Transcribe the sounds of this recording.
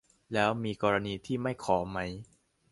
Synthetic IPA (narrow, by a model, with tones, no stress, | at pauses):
lɛː˦˥wmiː˧kɔː˧ɾa˧niː˧t̪ʰiː˥˩ma˥˩jkʰɔː˩˦ma˦˥j